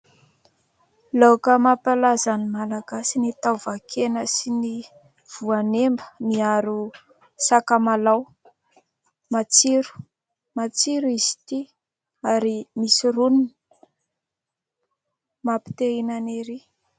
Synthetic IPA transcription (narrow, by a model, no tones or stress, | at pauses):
lawkəmapalazanimalaɡasinit̪awvakʰenəsini | v̥uanembəmiaɾu | sakamalaw | mat͡siɾu̥ | mat͡siɾuizi̥t̪i | aɾimisiɾunin | mapi̥t̪einaneɾi